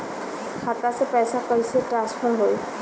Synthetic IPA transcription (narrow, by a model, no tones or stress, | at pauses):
kʰat̪asɛpajsakɔɹisɛtɹanspʰɔɹɦoj